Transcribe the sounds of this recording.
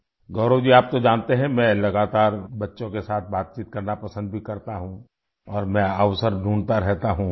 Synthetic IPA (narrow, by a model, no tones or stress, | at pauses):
ɡɔːɾod͡ʒiaːp̚t̪od͡ʒaːnt̪eɦɛ̃mɛ̃ːlɐɡaːt̪aːɾbɐtːʃõkesaːt̪̚ʰbaːt̪̚t͡ʃiːt̪̚kɐɾnapɐsə̃nd̪̚bʱikɐɾt̪aɦũ | ɔːɾmɛ̃əʋsəɾɖʱuːnt̪aɾɛɦt̪aɦũ